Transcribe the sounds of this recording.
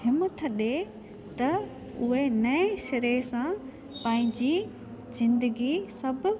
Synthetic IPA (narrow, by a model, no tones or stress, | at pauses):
hɪmt̪ʰɐɗe | t̪ɐ | ʊɦenɐeʃɐɾeːsã | pɐ̃ːɦɪ̃ɲd͡ʑiː | zɪ̃nd̪əɡisɐb̆ʱ